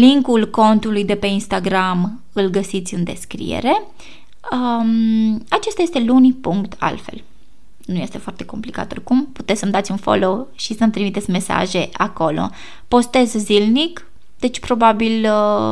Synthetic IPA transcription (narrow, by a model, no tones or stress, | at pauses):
liŋkulko̞nt̪ulujd̪e̞pe̞inst̪aɡɾam | ɨlɡəsit̪sʲɨnd̪e̞̰skɾḭjḛɾe̞ | at͡ʃe̞st̪aje̞st̪e̞lunipuŋkt̪ʰa̰lfḛl | nuje̞st̪e̞foart̪e̞ko̞mplika̰t̪o̞̰rkumpu̥t̪et̪səmd̪at̪sʲunfo̞̰lo̞ʃisəmt̪ɾimit̪et̪sʲme̞sa̰ʒe̞ako̞lo̞̰ | po̞st̪e̞zzilnik | d̪̥e̞t͡ʃʲpɾo̞babil